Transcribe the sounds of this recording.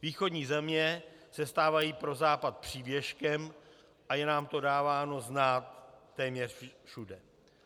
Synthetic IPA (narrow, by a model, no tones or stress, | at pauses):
viːxo̞dɲiːzɛmɲɛ | sɛst̪aːvajiːpɾo̞zaːpat̪̚pr̝̥iːvjɛʃkɛm | ʔajɛnaːmt̪o̞daːvaːno̞znaːt̪ːɛːmɲɛrfʃudɛ